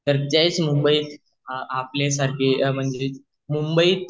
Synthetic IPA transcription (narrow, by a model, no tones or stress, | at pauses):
əɾtajt͡smumbəi | aplas̬aɾkʰem̤əɳd͡ze | mumbəit̪